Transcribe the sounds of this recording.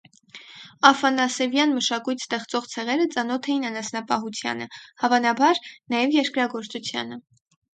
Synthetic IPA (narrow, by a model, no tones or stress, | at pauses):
ɑfɑnɑsɛvjɑnməʃɑkujt̪ʰst̪ɛχt͡sɔʁt͡sʰɛʁɛɾət͡sɑnɔt̪ʰɛjinɑnɑsnɑpɑɦut͡sʰjɑ̰nəhɑvɑnɑbɑɾnɑjɛvjɛɾkɾɑɡɔɾt͡sut͡sʰjɑ̰nə